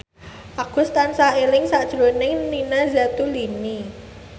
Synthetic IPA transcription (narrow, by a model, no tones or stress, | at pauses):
ʔaɡ̥ʊ̤st̪ansaʔelɪŋsaʔd̥ʒ̥ɾonɪŋninazat̪ulini